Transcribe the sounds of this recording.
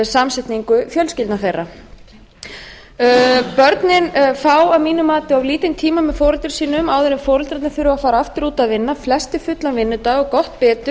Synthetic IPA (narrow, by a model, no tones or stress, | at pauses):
samsɛt̪niŋkʏfjœlscɪlt̪naθejrːa | pœɾt̪nɪnfaːwavmiːnʏmaːt̪ɪavliːt̪ɪnt̪ʰiːmamɛðfɔːɾɪlt̪ɪɾ̥siːnʏmawðeɾɪmfɔːɾɪlt̪ɾat̪nɪfɪːɾʏafaːɾaaft̪ɪɾuːt̪aðvɪnːaflɛst̪ʏfʏt̪lanvɪnːʏt̪aɣɔkɔht̪pɛːt̪ʏ